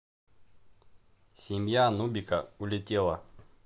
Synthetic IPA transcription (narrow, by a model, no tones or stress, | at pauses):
sʲimjanubʲikaulʲɪtʲelˠɐ